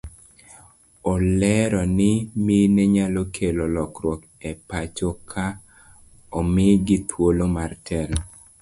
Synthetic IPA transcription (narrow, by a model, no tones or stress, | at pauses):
ɔlɛɾɔnɪmineɲalokʰelolɔkɾwɔk | ɛpat͡ʃokʰa | omɪɡɪt̪wolomartʰɛlɔ